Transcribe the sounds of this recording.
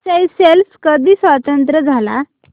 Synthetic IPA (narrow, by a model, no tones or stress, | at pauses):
aiselfkəd̪ʱiːsʋat̪ənt̪ɾəd͡zʱala